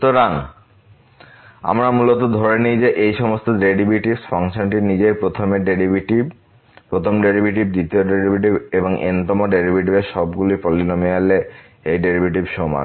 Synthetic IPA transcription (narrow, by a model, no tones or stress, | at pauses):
ut̪oɾaŋ | a̰mɾamulot̪od̪ʱɔɾenid͡ʑeʔejʃɔmost̪oɖeɖibʱiʈibsfaŋʃonʈinid͡ʑepɾot̪ʰomeɖeɾibiʈib | pɾot̪ʰomɖeɾibʱiʈib̚d̪it̪ioɖeɾibʱiʈ̬ibeboŋʔḛnt̪ɔmoɖeɾibʱiʈibeɾʃɔbɡulipɔlːinomiale | ejɖeɾibʱiʈibʃoma̰